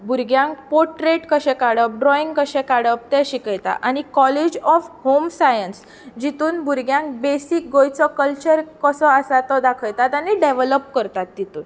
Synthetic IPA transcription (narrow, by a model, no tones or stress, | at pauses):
bʱuɾɡjãŋk̚poɾʈɾeʈkəɕɛ̃kaɽəp̚ɖɾɔiŋɡkəɕɛ̃kaɽəp̚t̪ɛɕikəjt̪a̰ʔañikɔled͡ʑɔfhomsajəns | d͡ʑit̪uːnbʱuɾɡjãŋk̚besik̚ɡojt͡sɔkəlt͡ɕəɾkəsɔəsat̪ɔd̪akʰəjt̪at̪aniɖeʋələp̚kəɾt̪at̪ːit̪uːn